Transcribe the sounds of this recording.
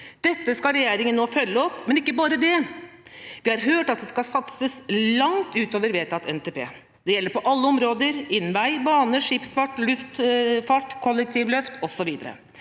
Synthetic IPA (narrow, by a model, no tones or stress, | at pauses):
d̪̥ɛt̪ːəskɑɾɛjeːɾɪŋənːoːfœlːəɔpːmɛnɪkːəbɑːɾəd̪ɛ | ʋɪhɑɾɦøːʈɑt̪̚d̪ɛskɑsɑt̪səslɑŋt̪ʉːt̪oːʋəɾʋeːʈʰɑt̪ʰɛnt̪ʰeːpʰḛː | d̪̥ɛjɛlːəɾpɔʔɑlːəɔmɾoːd̪əɾɪnːʋæɪbɑːnəʂɪpsfɑʈːlʉft̪fɑʈːkʰɔlːɛk̚t̪ʰiːʋlœft̪ɔsɔʋiːd̪əɾə̰